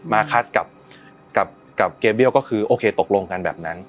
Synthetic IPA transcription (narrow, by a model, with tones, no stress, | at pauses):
maː˧kʰaː˦˥ska˨˩p̚ | ka˨˩p̚ | ka˨˩p̚keː˧mbi˥˩əwkɔː˥˩kʰɯː˧ʔoː˧kʰeː˧t̪o˨˩k̚lo˧ŋka˧nbɛː˨˩p̚na˦˥n